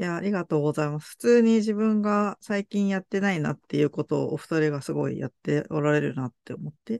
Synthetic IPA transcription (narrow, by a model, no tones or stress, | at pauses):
jaːɾʲiɡat̪o̞ːɡo̞zaimasɨ̥ɸɯ̥t͡sɨːɲ̟iʑibɯ̟̃ŋɡasaikʲĩɰ̃jat̪ːe̞naina̰t̪ːe̞jɯ̟ːko̞t̪o̞̰ːʔːɸɯ̟̥t̪aɾʲiɡasɨɡo̞ḭja̰t̪ːe̞ʔo̞ɾaɾe̞ɾɯ̟̰nat̪ːe̞omo̞t̪ːe̞